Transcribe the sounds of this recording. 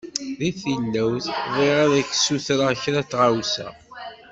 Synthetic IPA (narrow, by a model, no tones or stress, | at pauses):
ðiθilːæwθðˤiʁaðækːsuθɾaçɾæt͡sːʁawsæ̰